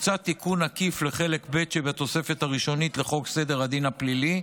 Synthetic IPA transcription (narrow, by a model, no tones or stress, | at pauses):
t͡sat̪ːikunakifleχele̞kbet̪ʃebat̪o̞se̞fet̪haʁiʃo̞nit̪le̞χo̞ɡse̞d̪e̞ʁad̪inaplili